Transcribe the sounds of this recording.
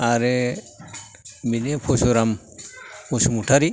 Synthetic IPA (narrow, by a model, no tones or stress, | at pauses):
aɾe | minepʰosuɾam | usumuʈʰaɾi